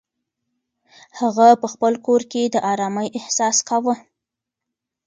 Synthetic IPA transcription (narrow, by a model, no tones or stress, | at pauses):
haɣapəxpəlkoɾked̪əʔɑɾɑməjɪhsɑskawə